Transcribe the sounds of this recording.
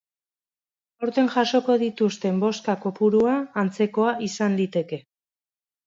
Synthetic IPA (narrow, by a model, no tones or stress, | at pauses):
o̞ɾt̪e̞ŋʝaʃo̞ko̞ð̞it̪ust̪e̞mbo̞skakopuɾuaːnt͡se̞ko̞aʔisand̪it̪e̞ke̞